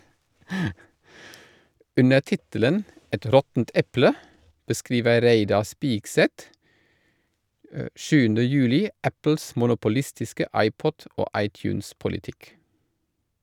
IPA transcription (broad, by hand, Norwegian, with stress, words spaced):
ˈʉnə ˈtɪtələn ˈɛt ˈɾɔtn̩t ˈɛplə bəˈskɾiːʋə ˈɾeɪdɑ ˈspiːɡˌsɛt ə ˈʃʉːn̩də ˈjʉːlɪ ˈæpl̩s mʊnʊpʊˈlɪstɪskə ˈɑɪˌpɔt ˈoː ˈɑɪtˌçʉːnspʊlɪˌtɪk